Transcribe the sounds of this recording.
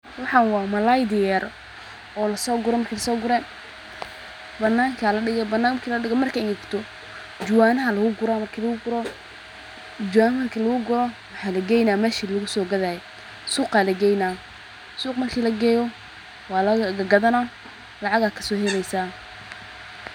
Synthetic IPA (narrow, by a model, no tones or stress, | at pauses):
wɑħɑːnwɑːmɐlajd̪ɪjɛr | ɔːlɐsɔːɡʊɾɔmɐrkʰiːlɐsɔːɡʊɾɛ | bɐnːaːŋkʰalɐɖɪɣɛbɐnːaːkʰiːlɐɖɪɣɔmɐrkʰɐɪnɪkt̪ʰɔ | d͡ʒʊwaːnɐɦɐlɐɣʊɡʊɾaːmɐrkʰiːlɐɣʊɡʊɾɔ | d͡ʒʊwaːnmɐrkʰiːlɐɣʊɡʊɾɔwɑħɑːlɐɡɛjnaːmɛːʃiːlʊɣʊsɔːɡɐðajɛ | suːqaːlɐɡɛjnaː | suːqmɐrkʰiːlɐɡɛːjɔ | wɑːlɐɡɐɡɐðɐna | lɑʕɑɣaːkʰɐ̥sɔːhɛlɛjsaː